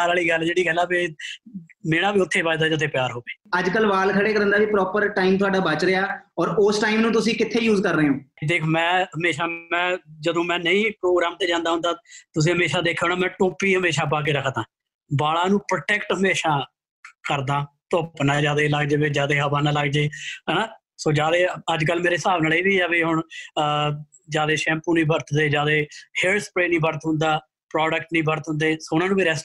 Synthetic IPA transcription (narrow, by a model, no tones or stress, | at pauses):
aɾaːliːɡəld͡ʒeːɽiːɡəlːɛːpe | meːɽ̃aːbiːʊt̪ʰːeːʋaːd͡ʒd̪aːd͡ʒət̪ʰːeːpɪjaːɾɦoːʋeːəd͡ʒkəlʋaːlkʰəɽeːkəɾə̃nd̪aːʋiːpɾɔːpəɾʈaːimt̪̬ʊaːɖaːbət͡ʃɾəaːɔːɾʊsʈaːimnũːt̪̬ʊsĩːkɪt̪ʰːeːjuːzkəɾːəeːõːd̪eːkʰoːmɛ̃ːɦəmeːʃaːmɛ̃ːd͡ʒəd̪õːmɛ̃ːnəĩːpɾoːɡɾaːmt̪eːd͡ʒãːnd̪aːɦʊ̃nd̪aːt̪ʊs̬ĩːɦəmeːʃaːd̪eːkʰːoːnaːmɛ̃ːʈoːpːiːɦəmeːʃaːp̬aːk̬eːɾəkʰt̪ãː | baːɭaːnũːpɾʈɛːkʈɦəmeːʃaː | kəɾd̪ãːt̪oːpnãːd͡ʒaːd̪eːləɡd͡ʒeːʋeːd͡ʒjaːd̪eːɦəbaːnaːləɡd͡ʒeːɛnaː | soːd͡ʒaːd̪eːəd͡ʒkəlmeːɾeːsaːʋnaːleːʋiːɛːʋiːɦʊɳ | d͡ʒjaːd̪eːʃɛ̃ːmpuːnĩːbəɾt̪d̪eːd͡ʒaːd̪eːheːɾspɾeːnĩːbəɾt̪ɦʊ̃nd̪aː | pɾɔːɖəkʈnĩːbəɾt̪ɦʊ̃nd̪eːsoːʊnãːnũːbiɾɛːs